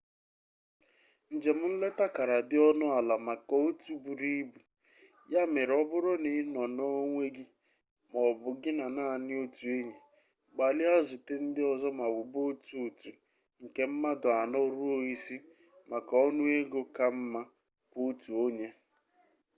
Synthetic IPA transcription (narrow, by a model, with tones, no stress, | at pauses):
n̩˨d͡ʒe˨m̩˦n̩˦le˦ta˦ka˨ɾa˨dɪ˦ɔ˦nʊ˦a˨la˨ma˨kɔ˨o˦tu˨bu˨ɾi˦bu˨ | ja˦me˨ɾɔ˦bʊ˦ɾʊ˦nɪ˨˦nɔ˨no˦ŋʷe˦ɡɪ˦ | mɔ˨bʊ˨ɡɪ˦na˨naː˦˨nɪ˦o˦tu˨e˦ɲe˨ | ɡ͡ba˨lɪ˦a˦zʊ˨te˦n̩˦dɪ˦ɔ˨zɔ˦ma˨bʊ˨bo˦tu˨o˨tu˨ | ŋ̩˨ke˨m̩˦ma˦dʊ˨a˨nɔ˦ɾu˦o˦˨i˦si˦ | ma˨ka˨ɔ˦nʊ˦e˦ɡo˦ka˦m̩˦ma˦ | ko˦tu˨o˦ɲe˦